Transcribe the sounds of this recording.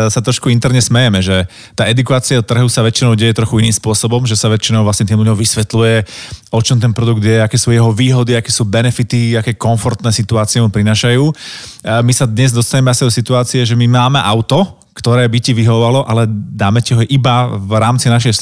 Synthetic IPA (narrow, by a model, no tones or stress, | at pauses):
sat̪ɾɔʃkuint̪ɛɾɲɛsmɛjɛmɛʒɛ | t̪aːɛd̪ukaːt͡sɪat̪ːr̩ɦusaʋɛt͡ʃinɔʊɟɛjɛt̪ɾɔxuiniːmspʊɔsɔbɔmʒɛsaʋɛt͡ʃinɔʊʋlasɲɛt̪iːmlʎuɲɔʊʋisʋɛt̪lujɛɔt͡ʃɔmt̪̬ɛnpɾɔd̪uɡ̚d̪ɪjɛakɛːsujɛɦɔʋiːɦɔd̪iakɛːsuːbɛnɛfit̪iakɛːkɔnfɔɾt̪nɛːsit̪uaːt͡siɛmupɾinaːʃajuː | misad̪ɲɛzd̪ɔst̪aɲɛmɛasid̪ɔsit̪uaːt͡siɛʒɛmimaːmɛʔaʊt̪ɔ | kt̪ɔɾɛːbiciʋiɦɔʋʋalɔʔalɛd̪aːmɛcɛɦɔʔibavɾaːmt͡sinaʃ̬ɛj